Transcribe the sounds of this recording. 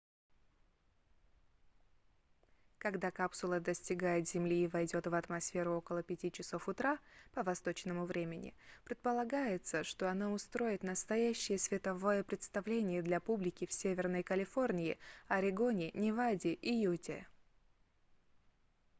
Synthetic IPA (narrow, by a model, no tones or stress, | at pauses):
kɐɡd̪akapsʊlˠəd̪əsʲtʲɪɡajɪt̪zʲɪmlʲiːvɐjdʲo̞t̪vɐt̪mɐsfʲe̞ɾʊo̞kəlˠəpʲɪtʲit͡ɕɪso̞fʊt̪ɾapəvɐst̪o̞t͡ɕnəmʊvɾʲemʲɪnʲɪ̰pɾʲɪt̪̚pəlˠɐɡajɪt̪səʂt̪o̞ɐnaʊst̪ɾo̞jɪt̪nəst̪ɐjæɕːɪjəsvʲɪt̪ɐvo̞jəpɾʲɪt̪st̪ɐvlʲenʲɪjəd̪lʲɐpublʲɪkʲɪfsʲevʲɪrnəjkəlʲɪfo̞rnʲɪɪɐɾʲɪɡo̞nʲɪnʲɪvadʲɪʔijutʲɪ